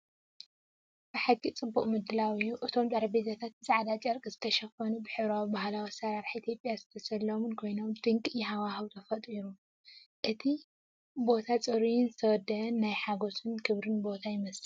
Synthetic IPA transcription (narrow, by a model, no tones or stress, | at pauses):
bɨħaɡit͡sʼɨbːuχʼmɨd̪ːɨlawijuʔɨt̪ʰo̞mzʼɐɾɐbezɐt̪ʰat̪̚zaʕad̪at͡ʃʼɐɾkʼɨzɨt̪ʰɐʃɐfɐnubɨħɨβɾawibahlawisɐɾaɾħʔit̪ʰijopʼjazɨt̪ʰɐsɐlːomɨnkʰo̞jnomd̪ɨŋkʼjɪɦawaɦɨwt̪ʰɐfɐt̪ʼiɾu | ʔɨt̪ʰi | bo̞t̪ʰat͡sʼɨɾijnzɨt̪ʰɐwd̪ɐɐnːajħaɡo̞sɨnkʰɨβɾɨnbo̞t̪ʰajɪmɐsɨ